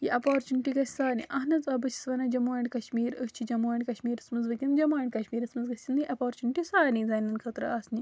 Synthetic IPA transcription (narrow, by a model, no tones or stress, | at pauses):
jiʔɐpaːɾt͡ʃuniʈiɡɐsʲsaːnḭʔɐɦnɐt͡sɐbɐt͡ʃʰi̥sʋɐnɐd͡ʒɐmaːɳɖʲkɐʃmiːɾət͡ʃʰid͡ʒɐmaːɳɖʲkɐʃmiːɾɐsmɐzʋɐkʲɐmd͡ʒɐmaːɳɖʲkɐʃmiːɾɐsmɐzɡɐsʲiniʔɐpaːɾt͡ʃuniʈisaːnid͡zaːnʲːɐnkʰɐt̪ɾɐ̰aːsni